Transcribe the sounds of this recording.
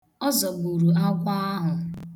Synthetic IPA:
ɔ˦zɔ˨bu˨ɾu˨a˦kʷa˦a˦ɦʊ˨

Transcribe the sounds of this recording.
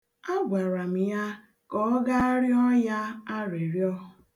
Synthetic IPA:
a˦ɡʷa˨ɾa˨m̩˨ja˦ | kɔ˦ɡa˦a˦ɾjɔ˦ja˦a˦ɾe˨ɾjɔ˦ɦʊ˨

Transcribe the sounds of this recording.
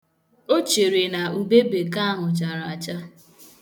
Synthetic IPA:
o˦t͡ʃe˨ɾe˨na˨u˨be˦be˨ka˦ɦʊ˨t͡ʃa˨ɾa˨t͡ʃa˦

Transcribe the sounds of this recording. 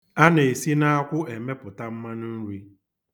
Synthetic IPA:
a˦n˨e˨si˦na˦a˦kʷʊ˦e˨me˦pʊ˨ta˦m̩˦ma˦nʊ˦n̩˦ɾi˦

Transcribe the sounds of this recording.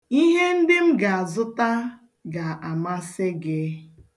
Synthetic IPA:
i˦ɦe˦n̩˦dɪ˦m̩˦ɡa˨a˨zʊ˦ta˦ | ɡa˨a˨ma˦sɪ˦ɡɪ˦

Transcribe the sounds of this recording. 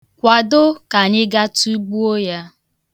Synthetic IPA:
kʷa˨dʊ˦ka˨ɲɪ˦ɡa˦tu˦bu˦o˦ja˦

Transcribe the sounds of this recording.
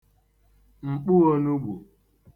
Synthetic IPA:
ŋ͡m̩˨k͡pu˦o˦nu˦ɡ͡bu˨

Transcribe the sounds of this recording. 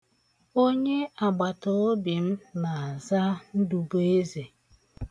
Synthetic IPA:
o˦ɲe˦a˨ɡ͡ba˨tʊ˨˦bi˨m̩˦na˨a˨za˦n̩˦du˨bo˦e˦ze˨

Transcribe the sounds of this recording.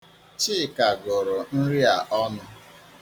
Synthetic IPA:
t͡ʃi˦˨ka˨ɡʊ˨ɾʊ˨n̩˦ɾi˦a˨ʔɔ˦nʊ˦

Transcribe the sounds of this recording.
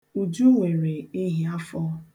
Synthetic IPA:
u˨d͡ʒu˦ŋʷe˨ɾe˨i˦ɦi˦a˦fɔ˦

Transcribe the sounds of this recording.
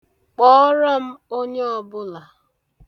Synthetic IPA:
k͡pɔ˦ɾa˦m̩˦o˦ɲe˦ɔ˦bʊ˦la˨

